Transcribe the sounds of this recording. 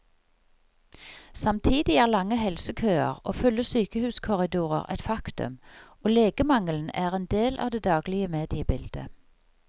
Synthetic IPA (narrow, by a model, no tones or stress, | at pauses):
sɑmt̪ʰiːd̪ɪæːʁlɑŋəhɛlsəkʰøːə̰ʁo̰ːfʉlːəsyːkəhʉːskʰʊʁɪd̪uːʁə̰ʁɛ̰t̪fɑkt̪ʉ̰m | oːleːɡəmɑŋəln̩æːʁeːnd̪eːlʔɑ̰ʋd̪eːd̪ɑːɡlɪəmeːd̪ɪəbɪld̪̥ə̰